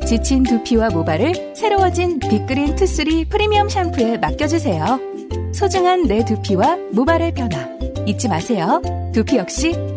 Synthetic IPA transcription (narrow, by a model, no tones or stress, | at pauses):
t͡ɕit͡ɕʰintupʰiwamobaɾɯɭ | sʰe̞ɾowʌd͡ʑinpik͈ɯɾintʰɯs͈ɯɾipʰɯɾimiʌmɕʰampʰue̞mak͈jʌd͡ʑusʰe̞jo | sʰod͡ʑɯŋɦanːe̞tupʰiwamobaɾɯɭpʰjʌnɦa | it͡ɕ͈imasʰe̞jotupʰijʌk̚ɕ͈i